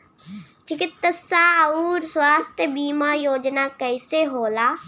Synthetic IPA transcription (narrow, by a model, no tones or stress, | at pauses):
t͡ʃɪkɪt̪ːəsaːɐuːɾswaːst̪ʰjəbiːmaːjoːd͡ʒnaːkəɪseɦoːlaː